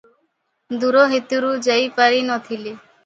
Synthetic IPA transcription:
d̪uɾɔɦit̪uɾud͡ʒajpaɾinɔt̪ʰili

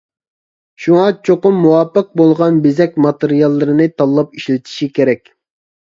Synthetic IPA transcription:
ʃuŋɑt͡ʃʰoqʊmːuwɑːpɨq̚bolˠʁɑnbezɛkʲmɑt̪ɨɾijɑlˠːɨɾɨnɨt̪ʰɑlˠːɑp̚iʃlɪt̪ʰi̥ʃikʲʰeɾɛkʲ

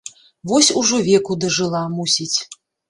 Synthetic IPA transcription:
vɔsʲuʐɔvʲɛkud̪ɐʐɨlˠamusʲit͡sʲ

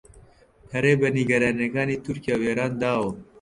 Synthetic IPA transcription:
hɐɾeːbɐniɡɐɾɑːnɐɡɑːniːt̪uɾkijaːweːɾaːnd̪aːwo

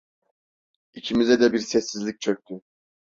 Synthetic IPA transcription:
icʰimizɛd̪ɛbiɾsɛsːizlʲic̚t͡ʃʰø̞c̚t̪ʰy

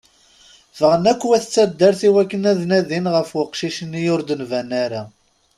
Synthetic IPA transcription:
fəʁənækʷːwæθət͡sːæd̪ːəɾθiwækːənæðnæðinʁəfwəqʃiʃənːijʊɾd̪ənvænaɾa

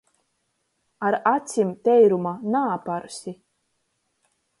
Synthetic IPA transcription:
aɾat̪sʲimt̪ɛjɾumanaːpaɾsʲi

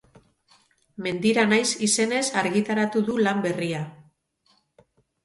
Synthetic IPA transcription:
me̞nd̪iɾanajsise̞ne̞saɾɣit̪aɾat̪uðulambe̞ria

